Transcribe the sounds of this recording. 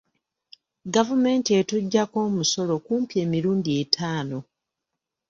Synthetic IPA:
ɡavume̞ːntie̞tuɟːako̞ːmuso̞lo̞kuːmpje̞ːmiɾuːndietʰaːno̞

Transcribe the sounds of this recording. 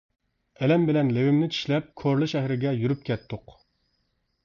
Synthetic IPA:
ɛlɛmbɪlɛnlewɪmnɪt͡ʃʰi̥ʃlɛp̚kʰoɾlˠɨʃɛhɾɪɡʲɛjyɾyp̚kʲʰɛt̪ʰːʊq

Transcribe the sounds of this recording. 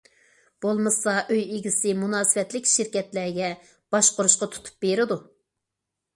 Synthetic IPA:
b̥olˠmɨsɑʔøjeɡʲisɪmunɑːsɪwɛt̪lɪkʲʃɪɾkʲɛt̪læɾɡʲɛ | b̥ɑʃqoɾuʃqɑt̪ʰu̥t̪ʰu̥p̚beɾɪd̪u

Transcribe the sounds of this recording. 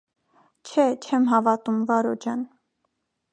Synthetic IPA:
t͡ʃʰɛt͡ʃʰɛmɦɑvɑt̪umvɑɾɔd͡ʒɑn

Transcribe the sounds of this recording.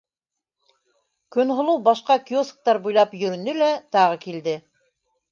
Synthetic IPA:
kɵ̆nɦŏlˠɤwbɑʃqɑkiosk̚t̪ɑɾbujlˠɑpjɵ̆ɾɵ̆nɵlæt̪ɑʁɤkild̪ɘ

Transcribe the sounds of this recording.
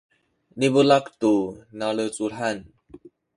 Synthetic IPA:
nibəlakt̪unalət͡sulɦan

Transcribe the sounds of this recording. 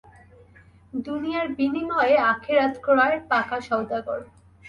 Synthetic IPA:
d̪unijaɾbinimɔeeakʰeɾat̪kʰoɾaepakaʃɔwd̪aɡoɾ

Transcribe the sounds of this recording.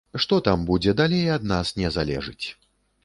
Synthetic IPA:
ʂt̪ɔt̪ambud͡zʲɛd̪alʲejɐd̪̚nasnʲɛzalʲɛ̰ʐɨt͡sʲ

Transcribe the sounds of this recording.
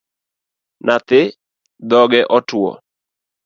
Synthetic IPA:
nat̪ɪ | d̪ɔɡɛʔɔtwɔ̰

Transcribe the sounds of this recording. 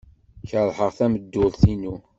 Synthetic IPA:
çəðˤħəʁθæməd̪ːʊðθinu

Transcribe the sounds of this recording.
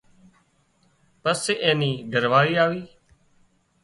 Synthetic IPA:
pəsːeːʔẽːniːɡəɾʋaːʋiːaːʋiː

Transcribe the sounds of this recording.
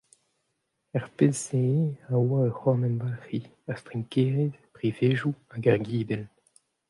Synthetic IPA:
ɛʁpezːeawaøχwɔmɛnbafi | ɛʁst̪ʁiŋkeːʁetpʁiveːʒuaɡaʁɡiːdɛl

